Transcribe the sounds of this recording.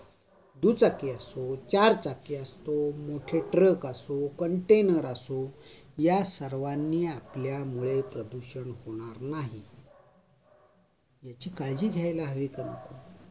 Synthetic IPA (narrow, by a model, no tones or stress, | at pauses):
d̪ut͡sakiasot͡ɕaɾt͡sakeəst̪omoʈʰeʈɾəkasokəɳʈenəɾasojasəɾʋanːiːapljamuɭepɾəd̪uɕəɳhoɽ̃aɾnaɦi | jat͡ɕiːkajd͡ʑiːɡʱjajlaɦəʋikanə̰ko